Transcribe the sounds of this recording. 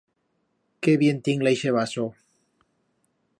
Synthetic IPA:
keβjent̪iŋlajʃeβaso

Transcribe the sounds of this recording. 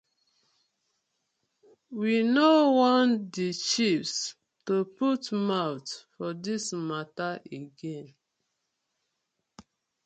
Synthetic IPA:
winowɔ̃ndit͡ʃifs | toputmawtfɔdismataʔeɡẽn

